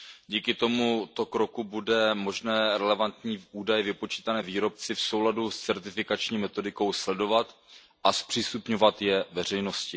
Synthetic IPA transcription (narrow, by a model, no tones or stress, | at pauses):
ɟiːkɪt̪o̞mut̪o̞kɾo̞kubudɛmo̞ʒnɛːɾɛlɛvant̪ɲiːʔuːdajɛvɪpo̞t͡ʃiːt̪anɛːviːɾo̞p̚t͡sɪfso̞wladust͡sɛɾt̪ɪfɪkat͡ʃɲiːmɛt̪o̞dɪko̞wslɛdo̞vat̪ | ʔaspr̥iːst̪upɲo̞vat̪jɛvɛr̝ɛjno̞scɪ